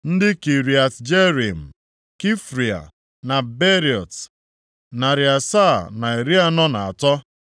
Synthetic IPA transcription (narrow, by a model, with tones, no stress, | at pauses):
n̩˦dɪ˦ki˨ɾi˨a˨td͡ʒe˦ɾi˨m̩˨ | ki˦fɾi˨a̰˨ | na˨be˦ɾi˨ɔ˨t | na˨ɾi˨a˨sa˦˨na˨e˨ɾi˦a˦nɔ˦na˨a˨tɔ˦